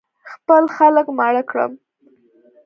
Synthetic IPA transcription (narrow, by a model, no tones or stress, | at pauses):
xpəlxaləkmaɽəkɽə̰m